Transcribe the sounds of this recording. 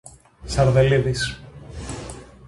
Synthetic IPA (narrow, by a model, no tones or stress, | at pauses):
sɐɾðeliðis